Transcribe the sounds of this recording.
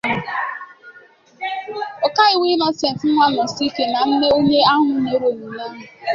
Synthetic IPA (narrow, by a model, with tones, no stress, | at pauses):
o˨ka˦ɪ˨wi˦nɔ˦se˨n̩˨t̩˦ŋʷa˦nɔ˨si˦ke˨na˨n̩˦ne˦o˦ɲe˦a˦ɦʊ˨ne˨˦ɾo˨mu˨na˦ɦʊ˨